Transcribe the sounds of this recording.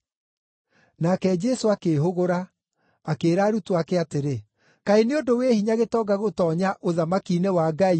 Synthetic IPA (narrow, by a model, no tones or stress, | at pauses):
nakɛd͡ʒɛsoakeɦoɣoɾaː | keːɾaːɾutoakeateɾe | kaeneodowehiɲaɣetɔːɡaɣotɔːɲaʔoðamakinewaːɡai